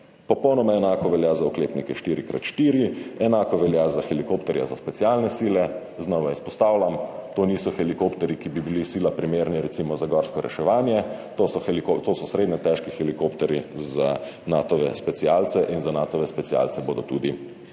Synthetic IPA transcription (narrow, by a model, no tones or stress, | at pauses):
pɔpɔwnɔmaɛnaːkɔʋɛljazaukleːpnikɛʃt̪iːɾikɾa̰t̪ʃt̪iːɾiɛnaːkɔʋɛljazaxɛlikopt̪ɛɾja̰zaspɛtsialnɛsiːlɛ | znɔʋaispɔst̪aːwlamt̪oːniːsɔxɛlikopt̪ɛɾikibibilisiːlapɾimeːɾniɾɛt̪siːmɔzaɡɔɾskɔɾɛ̰ʃɛʋaːnjɛt̪osɔxɛlikot̪oːsɔsɾed̪nɛt̪ɛʃkixɛlikoːpt̪ɛɾiza | naːt̪ɔʋɛ̰spɛt̪sialt̪sɛʔinzanaːt̪ɔʋɛspɛt̪sia̰lt̪sɛboːd̪ɔt̪uːd̪i